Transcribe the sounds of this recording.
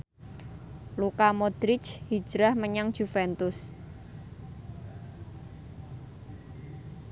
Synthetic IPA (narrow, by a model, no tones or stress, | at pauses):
lukamɔd̪̥ɾɪt͡ʃhid̥ʒ̥ɾahməɲaŋd̥ʒ̥ufɛnt̪ʊs